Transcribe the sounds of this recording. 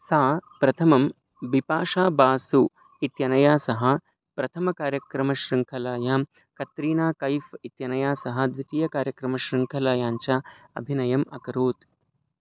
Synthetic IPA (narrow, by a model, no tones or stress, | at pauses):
saːpɾɐt̪ʰɐmɐm | bipaːʂaːbaːsu | it̪jɐnɐjaːsɐɦɐ̆ | pɾɐt̪ʰɐmɐkaːɾjɐkɾɐmɐʃɾiŋkʰɐlaːjaː | kɐt̪ɾiːnaːkɐjfit̪jɐnɐjaːsɐɦɐ̆d̪ʋit̪ijɐkaːɾjɐkɾɐmɐʃɾiŋkʰɐlaːjaːɲt͡ʃaɐ̰bʱinɐjɐmɐkɐɾuːt̪